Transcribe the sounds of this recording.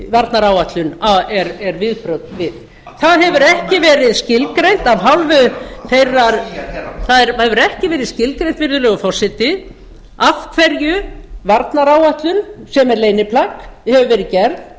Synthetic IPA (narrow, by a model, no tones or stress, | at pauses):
vaɾt̪naɾaːwaht̪lʏnaɛɾɛɾvɪðpɾœwt̪vɪð | θaðɦɛvʏɾɛhcɪvɛːɾɪðscɪlkɾejn̥t̪avɦawlvʏθejrːaɾθaðɛɾhɛvʏɾɛhcɪvɛːɾɪðscɪlkɾejnt̪vɪɾðʏlɛɣʏfɔr̥sɪt̪ɪ | afkʰvɛɾjʏvaɾt̪naɾaːwaht̪lʏnsɛmɛɾleːjnɪpʰlakhɛvʏvɛːɾɪðcɛɾð